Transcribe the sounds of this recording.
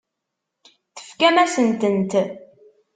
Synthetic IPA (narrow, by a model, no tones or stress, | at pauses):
θə̥fkæmæsənt̪ənt̪